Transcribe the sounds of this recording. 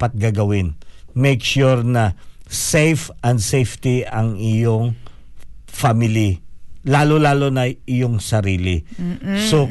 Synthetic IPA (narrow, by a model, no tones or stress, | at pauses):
pɐt̪̚ɡaɡɐwɪnmejkʃuɹnɐsejfɐ̃nd̪sejft̪iʔɐŋɪjoŋ | famɪlilaːlolaːlonɐʔɪjoŋsɐɾiːlɪso